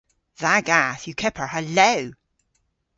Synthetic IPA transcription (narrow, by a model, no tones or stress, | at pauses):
ðaɡaθjəkʰɛpʰə˞həloʊ